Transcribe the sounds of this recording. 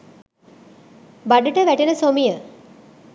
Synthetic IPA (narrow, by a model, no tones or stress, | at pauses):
baɖuʈəʋæʈenəsomijə